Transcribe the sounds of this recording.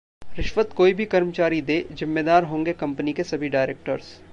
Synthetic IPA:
ɾɪʃʋət̪koːibʱikɐɾmt͡ʃaːɾid̪eːzɪmːeːd̪aːɾɦõːŋɡekɐ̃mpənikesɐbʱiɖaːɪɾeːk̚ʈəɾs

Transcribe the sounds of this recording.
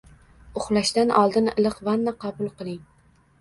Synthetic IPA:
ʊχlˠaʃt̪anʔɒlˠd̪ɪnɪ̰lˠɨqvanːaqʰɑbʊlˠqɨlˠɪŋ

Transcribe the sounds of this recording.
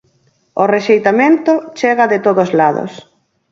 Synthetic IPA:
oreʃejt̪amẽnt̪ʊt͡ʃeɣɐðet̪oðozlaðo̰s

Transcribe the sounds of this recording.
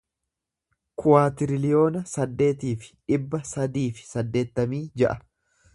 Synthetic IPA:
kʰʊwaːt̪ɪɾɪlɪjo̞ːnɐsɐd̪ːe̞ːt̪iːfɪ̥ᶑɪbːɐsɐd̪iːfɪ̥sɐd̪ːe̞ːt̪ːɐmiːd͡ʒɛʔɐ

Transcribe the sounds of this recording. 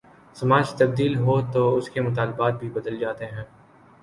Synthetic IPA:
sɐmaːd͡ʒt̪ɐbd̪iːlɦot̪oʊskemʊt̪aːlɪbaːt̪̚bʱibɐd̪əld͡ʒaːt̪eɦɛ̃ː

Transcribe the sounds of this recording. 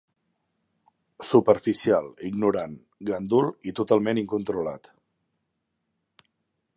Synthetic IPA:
supəɾfisialˠiɡnuɾan | ɡənd̪ulit̪ut̪alˠmeniŋkunt̪ɾulat̪

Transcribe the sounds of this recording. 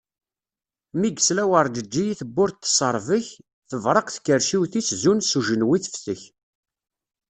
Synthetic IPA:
miɡslæwəɾˤd̪əd͡ʒːijiθəbːʊɾt̪ːsˤəɾˤvəç | θəvɾˤəqθkːəɾʃiwθiszunsuʒənwiθə̥fθəç

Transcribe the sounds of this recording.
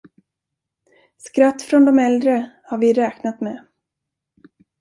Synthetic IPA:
skɾat̪ːfɾɔnd̪ɔmɛld̪ɾəhaɾvɪɾɛːknat̪mɛ

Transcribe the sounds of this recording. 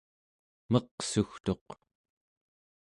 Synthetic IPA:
mʌqsuxt̪o̞q

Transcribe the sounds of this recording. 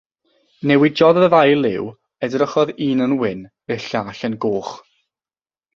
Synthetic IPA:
nɛwɪd͡ʒɔðəvajlˠɪw | ɛdrəχɔðiːnənwɪn | əɬaːɬənɡoːχ

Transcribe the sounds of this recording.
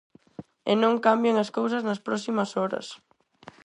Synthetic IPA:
enõŋkambjeŋɐskows̬ɐznɐspɾɔsimɐsɔɾɐ̰s

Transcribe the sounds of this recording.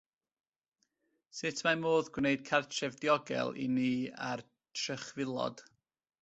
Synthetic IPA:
sɪtʰmamoːðɡwneɨd̥̚kʰartʰɛvdjɔɡɛ̰lˠḭniːa̰r | tʰrəχvɪlˠɔ̰d̥

